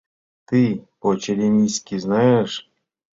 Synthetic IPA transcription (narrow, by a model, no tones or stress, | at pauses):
t̪ɨpot͡ɕeɾʲemʲisʲkʲiznajeʂ